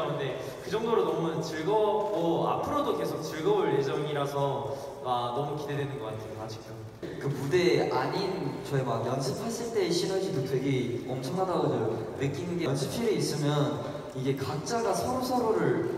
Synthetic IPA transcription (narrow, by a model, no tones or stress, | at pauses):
nɯnde̞ | kɯd͡ʑʌŋdoɾonʌmut͡ɕiɭɡʌp̚k͈oa̰pʰɯɾodoke̞sʰok̚t͡ɕiɭɡʌbuɭje̞d͡ʑʌŋiɾasʰʌ | anʌmukide̞dwenɯnɡʌk͈atʰɯoad͡ʑʰi̥kʰo | kɯpude̞aɲint͡ɕʌemajʌnɕʰɯpʰːaɭs͈eɭt͈e̞ːɕʰinad͡ʑidotwe̞ɡeʌmt͡ɕʰʌŋɦadaɡodejo | nɯk͈inɡensʰɯpʰieis͈ɯmjʌn | iɡe̞kak̚t͡ɕ͈aɡasʰʌɾosʰʌɾoɾɯɭ